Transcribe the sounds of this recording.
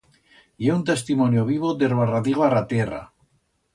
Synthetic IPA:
ieunt̪est̪imonjoβ̞iβod̪erwaraðiɣarat̪era̰

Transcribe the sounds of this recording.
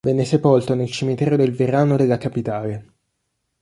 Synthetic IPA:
vɛnːesepolt̪onelt͡ʃimit̪ɛːɾod̪elveɾaːnod̪elːakapit̪aːle

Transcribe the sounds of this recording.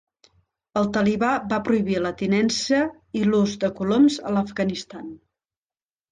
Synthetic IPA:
əlˠt̪əliβabapɾuiβilət̪inɛnsə | iluzd̪əkulomzə̰ləfɣənist̪an

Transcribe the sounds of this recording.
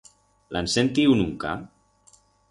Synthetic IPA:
lʔansent̪iunuŋka̰

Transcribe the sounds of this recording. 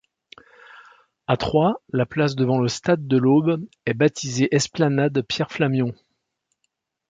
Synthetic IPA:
at̪χwalaplas̬d̪əvɑ̃ləst̪ad̪̚ːəlob | ɛbat̪ʰizeʔɛsplanad̪pjɛʁflamjɔ̃

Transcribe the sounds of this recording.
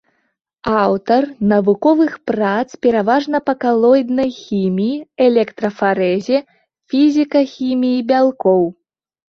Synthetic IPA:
awt̪ɐrnɐvukɔvɨxpɾat̪spʲɛɾavaʐnɐpɐkalˠɔjd̪nɐjxʲimʲijiɛlʲɛkt̪ɾɐfaɾɛzʲɛ | fʲizʲikɐxʲimʲijibʲalˠkɔw

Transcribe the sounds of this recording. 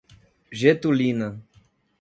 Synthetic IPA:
ʒet̪ulinɐ

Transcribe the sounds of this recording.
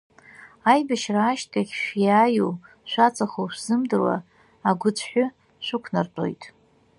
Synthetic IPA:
ajbaʃraːʃtkʰʼaχʲʃjaːjṵ | ʃʷat͡sʼaχoʃʷz̥ɨmdɨrwa̰ | aɡʷʊt͡sʷʰħʷᶣʊ | ʃʷʊkʷʰnarʈ͡ʂʼo̞̰jtʼ

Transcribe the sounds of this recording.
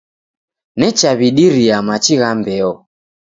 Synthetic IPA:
nɛt͡ʃaβiɗiɾiamat͡ʃiɣambɛɔ

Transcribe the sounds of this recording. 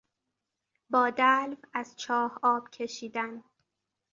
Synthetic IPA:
bɒːd̪ælvæzt͡ʃʰɒːhɒːb̥cʰe̞ʃiːd̪æn

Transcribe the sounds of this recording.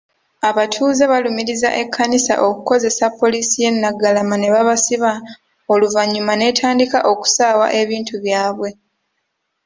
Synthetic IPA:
aβatʰuːzeβalumiɾiza̰ʔe̞kʰːanisa̰ʔo̞kuko̞ze̞sapːo̞liːsije̞nːaɡalamane̞βaβasiβa | oluvaɲːumane̞ːtʰaːndikaʔo̞ku̥saːwa̰ʔe̞βiːntuβjaːβwe̞

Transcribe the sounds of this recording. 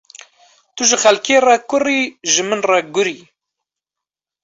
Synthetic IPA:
t̪uʒɪxalkeːrakʊriʒɨmɨnraɡʊɾi

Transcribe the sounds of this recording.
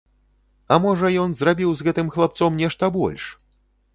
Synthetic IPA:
ɐmɔʐɐjɔnzrabʲiwzɣɛt̪ɨmxlˠap̚t̪sɔmnʲɛʂt̪ɐbɔ̰lʲʂ

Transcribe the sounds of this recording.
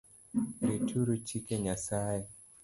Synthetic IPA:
ɾitʰuɾut͡ʃikeɲasaɛ

